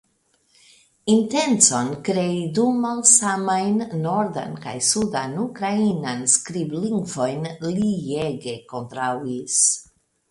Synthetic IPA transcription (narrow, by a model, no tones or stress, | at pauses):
int̪ent͡sonkɾeid̪umalsamajnːoɾd̪a̰nka̰jsud̪anukɾainanskɾibliŋɡvojnlijeɡekont̪ɾawis